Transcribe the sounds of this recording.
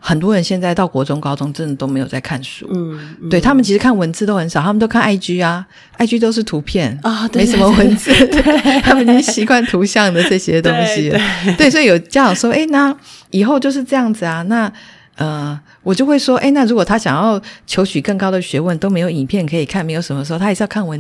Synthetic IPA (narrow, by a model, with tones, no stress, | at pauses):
xə˨˩nt̪wɔ˥ɻə˧˦nɕjɛ˥˧nt͡sa˥˧ɪt̪ɑ˥˩ʊkwɔ˧˥ʈ͡ʂʊ˥ŋkɑ˥ʊʈ͡ʂʊ˥ŋʈ͡ʂə˥˩nd̪ə˩t̪o˥ʊme˧˥ɪjo˨˩ʊt͡sa˥˩ɪkʰa˥˩nʂṵ˨˦t̪we˥˩ɪt̪ʰa˥mə˨nt͡ɕʰi˧˥ʂɻ̩˧˥kʰa˥˩nwə˧˥nt͡sɹ̩˥˧t̪o˥ʊxə˧˥nʂɑ˨˩t̪ʰa˥mə˨nt͡ɕjo˥ʊkʰa˥˧na˥˩ɪt͡ɕy˥a˧ | a˥˩ɪt͡ɕy˥t̪̬o˥ʊʂ̬ɻ̩˥˩t̪ʰu˧˥pʰjɛ˥˩ne˧˥ʂə˧˥nmə˧wə˧˥nt͡sɹ̩˥˩t̪ʰa˥mə˨nni˧˨˥nɕi˧˥kwa˥˩nt̪ʰu˧˥ɕjɑ˥˩ŋd̪ə˩ʈ͡ʂɤ˥˧ɕjɛ˥t̪o˥ŋɕi˥˦t̪we˥˩swɔ˧˥i˨jo˨˩t͡ɕja˥ɑ˨˩ʂwɔ˥ʔe˥ɪna˥˩i˨˩xo˥˧ʊt͡ɕjo˥˧ʊʂ̬ɻ̩˥˧ʈ͡ʂɤ˥˧jɑ˥˩ŋd͡zɹ̩˩a˩na˥˩ | ə˩ | wɔ˨˩t͡ɕjo˥˧ʊxwe˥˩ɪʂwɔ˥ʔḛ˥˧ɪna˥˩ɻu˧˥kwɔ˨˩t̪ʰa˥ɕjɑ˨˩ŋjɑ˥˩ʊt͡ɕʰjo˧˥ʊɕy˨˩kə˥˩ŋkɑ˥ʊd̪ə˨ɕɥɛ˧˥wə˥˩nt̪o˥ʊme˧˥ɪjo˧ʊi˨˩npʰjɛ˥˩nkʰɤ˧˥i˨˩kʰa˥˩nme˧˥ɪjo˧˩ʊʂə˧˥məʂ̩˧˥˩tʰa˥˧˥ʂ̩˥˧jkʰa˥˩nwə˧˦n